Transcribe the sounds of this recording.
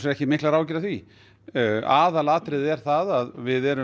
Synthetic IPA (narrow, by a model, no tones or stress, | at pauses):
sɛɛhcɪmɪhklaɾaːwcɪɾaθvi | aːðalaːt̪ɾɪðɛɾ̥θaðaðvɪðɛɾʏ